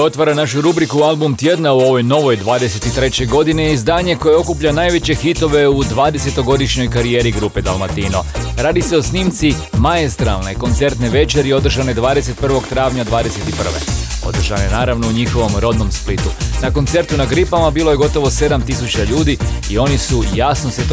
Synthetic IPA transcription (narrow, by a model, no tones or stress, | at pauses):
o̞t̪ʋaɾanaʃuɾubɾikualˠbumt̪je̞d̪nauo̞ʋo̞jno̞ʋojd̪ʋaːd̪e̞se̞t̪it̪ɾe̞t͡ɕeɡo̞d̪ineizd̪aːɲe̞ko̞jeo̞kupʎanaːjʋe̞t͡ɕe̞xit̪o̞ʋe̞ud̪ʋaːd̪e̞se̞t̪o̞ɡo̞d̪iʃɲo̞jkaɾijeːɾiɡɾuped̪alˠmat̪iːno̰ɾaːd̪ise̞o̞sniːmt̪si | maest̪ɾa̰lˠneko̞nt̪se̞ɾt̪neʋe̞t͡ʃeɾio̞d̪r̩ʒaned̪ʋaːd̪e̞se̞t̪̚pr̩ʋo̞ɡt̪ɾaːʋɲad̪ʋaːd̪ese̞t̪ipr̩ʋḛo̞̰d̪r̩ʒa̰nenaːɾaʋno̞uɲixo̞ʋo̞mɾo̞d̪no̞msplit̪unako̞nt̪se̞ɾt̪unaɡɾipamabiːlˠo̞je̞ɡo̞t̪o̞ʋo̞se̞d̪amt̪isut͡ɕaʎuːd̪iio̞nisujasnoset̪